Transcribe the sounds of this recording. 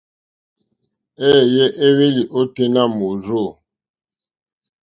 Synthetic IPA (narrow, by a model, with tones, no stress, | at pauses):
ɛ˦˨jɛ˦ʔe˦we˦li˨ʔo˦te˦na˦mo˨zo˦˨